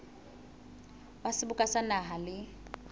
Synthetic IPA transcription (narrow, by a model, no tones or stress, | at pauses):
wasɪbʊkʼasanaɦalɪ